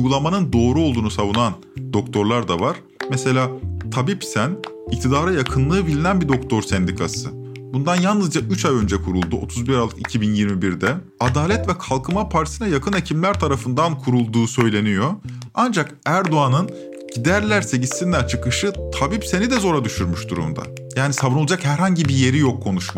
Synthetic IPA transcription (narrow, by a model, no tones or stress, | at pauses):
uɡulˠamanɯnd̪o̞ːɾuo̞lˠd̪uːnusavunan | d̪o̞kt̪ʰo̞ɾlˠaɾd̪avaɾ̥ | mɛse̞lʲaːt̪ʰabipsæn | ict̪ʰid̪aːɾajakʰɯnlˠɯːbilʲinænbid̪o̞kt̪ʰo̞ɾsɛnd̪ikʰasɯ | bund̪anjalˠnɯzd͡ʒaʔyt͡ʃʰajø̞nd͡ʒɛkʰuɾulˠd̪uot̪ʰuzbiɾalˠːɯkicʰibinjiɾmibiɾd̪ɛ | ad̪aːlʲɛt̪vɛkʰalˠkʰɯmapʰaɾt̪ʰisinajakʰɯne̞cʰimlʲæɾt̪ʰaɾafɯnd̪ankʰuɾulˠd̪uːsø̞jlʲe̞nijo̞ | and͡ʒakæɾd̪oanɯn | ɟ̥id̪æɾlʲæɾse̞ɟist̪ind̪ʲæɾt͡ʃʰɯkɯʃɯt̪ʰabipse̞nid̪ɛzo̞ɾad̪yʃyɾmyʃd̪uɾṵmd̪a̰ | jaːnisabɯnolˠad͡ʒakhæɾɦaɲɟibije̞ɾijo̞kʰːo̞nuʃma